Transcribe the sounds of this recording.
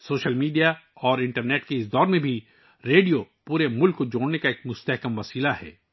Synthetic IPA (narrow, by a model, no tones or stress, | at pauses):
soːʃəlmiːɖijaɔːɾɪ̃ɳʈəɾneːʈkeɪsd̪ɔːɾmẽbʱi | ɾeːɖijopuːɾemʊlkːod͡ʒoːɽnekaeːkmʊst̪ɛɦkəmʋɐsiːlaɦɛ̰ː